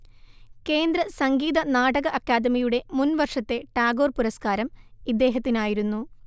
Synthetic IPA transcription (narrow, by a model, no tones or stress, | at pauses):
ke̞ːnd̪rɐsɐŋɡiːðɐnaːʈɐɣɐʔɐkjaːd̪ɐmijuɽe̞munʋɐrʂɐt̪ːe̞ʈaːɡo̞ːrpuɾɐskaːɾɐmid̪ːe̞ːɦɐt̪ːinaːjiɾunːu